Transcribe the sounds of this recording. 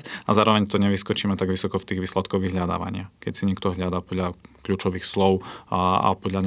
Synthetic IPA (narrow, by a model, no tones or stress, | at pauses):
azaːɾɔʋɛɲt̪ɔɲɛʋiskɔt͡ʃiːmɛt̪aɡʋisɔkɔft̪iːɣʋiːslɛt̪kɔɣʋiɦʎad̪a̰ːʋa̰ɲɪakɛcsiɲɛkt̪ɔɦʎad̪aːpɔd̪ʎakʎuːt͡ʃɔʋiːxslɔʊa̰pɔd̪ʎaɲ